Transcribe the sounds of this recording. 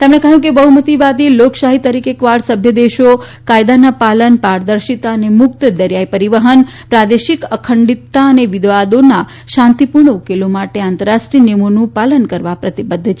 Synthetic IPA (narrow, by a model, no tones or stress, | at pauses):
t̪emɳ̃ekəɦjũkebəɦumət̪iʋad̪iloksaɦit̪əɾikekʋaɽsəbʱjəd̪eʃo | kajd̪anapalənpaɾd̪əɾʃit̪aənemʊk̚t̪d̪əɾjaipəɾiʋəɦənpɾad̪eʃikəkʰəɳɖit̪ːaəneʋɪd̪ʋad̪ona | ʃãnt̪ipuɾɳəukelomaʈeãnt̪əɾaʃʈɾiənemonũpalənkəɾʋapɾət̪ibəd̪ʱːt͡ʃʰ